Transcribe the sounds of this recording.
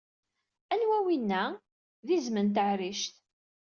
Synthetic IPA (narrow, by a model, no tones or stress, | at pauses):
ænwæwinːæ | ðizmənt̪̬əʕɾiʃt̪